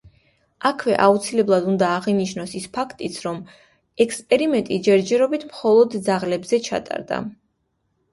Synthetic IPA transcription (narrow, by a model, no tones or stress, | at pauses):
akʰwɛ̰ʔaut̪sʰilɛblˠad̪und̪aːʁiniʃnɔsispʰakʰt̪ʼit̪sʰɾɔm | ɛkʰspʼɛɾimɛnt̪ʼid͡ʒɛɾd͡ʒɛɾɔbit̪ʰmχɔlˠɔd̪d̪zaʁlɛbzɛt͡ʃʰa̰t̪ʼa̰ɾd̪a̰